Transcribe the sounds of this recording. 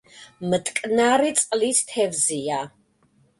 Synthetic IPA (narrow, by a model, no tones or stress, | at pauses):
mət̪ʼkʼnaɾit̪sʼqʼlit̪ʰt̪ʰɛvzia